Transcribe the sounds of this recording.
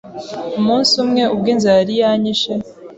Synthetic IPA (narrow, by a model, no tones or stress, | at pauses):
umuːnsumŋe̞ub̚ɡiːnzaɾijaːɲiʃe